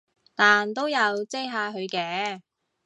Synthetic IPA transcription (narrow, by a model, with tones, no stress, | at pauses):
t̪aː˨nt̪̬o˥wjɐ˨˧wt͡se˥jɦaː˧ɦɵ˨˧ɥkɛː˨˥